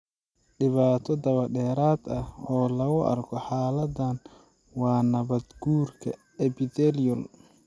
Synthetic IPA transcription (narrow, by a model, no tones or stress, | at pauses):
ɖɪβaːt̪ʰɔd̪ɐβɐɖɛːɾaːd̪ɐhɔːlɐɣʊʔɐ̰rkʰɔħaːlɐd̪ɐn | wɑːnɐβɐd̪ɡuːrkʰɐ̰ | ɛbɪd̪ɛljɔl